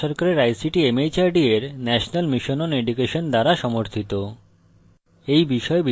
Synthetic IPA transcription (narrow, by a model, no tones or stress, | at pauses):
ɔɾkaɾeɾajsiʈiemejt͡ɕaɾɖieɾnɛʃonalmiʃononeɖukeʃond̪aɾaʃɔmoɾt̪ʰit̪o | ejbiʃɔebi